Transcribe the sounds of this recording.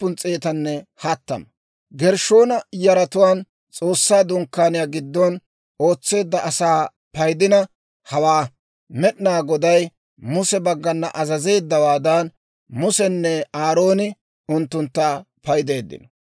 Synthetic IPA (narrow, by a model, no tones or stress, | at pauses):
pːʊnt͡sʼe̞ːt̪ɐnːɛhɐt̪ːɐ̰m | ɡɛɾʃo̞ːnɐjɐɾɐt̪ʊwaːn | t͡sʼo̞ːsːaːd̪ʊŋkːaːnɪjaːɡɪd̪ːɔn | o̞ːt͡sːe̞ːd̪ːɐʔɐsaː | pɐjd̪ɪnɐ | hɐwaː | mɛɗnaːɡɔd̪ɐj | mʊsɛbɐɡːɐnːɐʔɐzɐze̞ːd̪ːɐwaːd̪aːn | mʊsɛnːɛaːɾo̞ːnɪ | ʊnt̪ːʊnt̪ːaː | pɐjd̪e̞ːd̪ːɪ̰nɔ̥